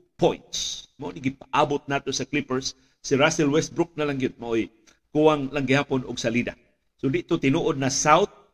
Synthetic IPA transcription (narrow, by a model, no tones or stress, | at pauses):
pojnt̪smaoniɡɪpaʔabʊt̪̚nat̪osaklipɛɹsː | iɾasɛlwɛst̪̚bɾʊk̚nalaŋɡjʊd̪̚maʔoj | kuwaŋlaŋɡɪhaːponʊɡsalid̪a̰ | sod̪ɪʔt̪ot̪ɪnuʔod̪̚nasawt̪̚